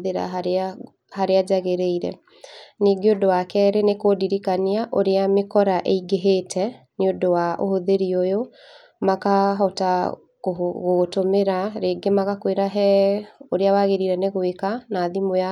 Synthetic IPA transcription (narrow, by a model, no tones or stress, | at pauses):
ðeɾa̰ | haɾead͡ʑaɣeɾeiɾɛ̰ | niɡeodowakɛɾenekoːdiɾikaniaʔoɾeamekɔɾaʔeiɡeɦetʰɛ | neodowaʔohoðeɾiojo | makaɦɔta | oɣoɣtomeɾaɾeːɡemaɣakweɾaɦɛoɾeawaɣeɾiɾɛneɣwekanaðimoja